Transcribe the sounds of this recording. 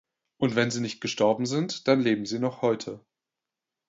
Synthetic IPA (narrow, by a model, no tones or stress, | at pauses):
ʔʊntv̥ɛnziːnɪçt̚ɡ̥əʃtɔɐbm̩zɪntd̥anleːbm̩ziːnɔχhɔʏtʰə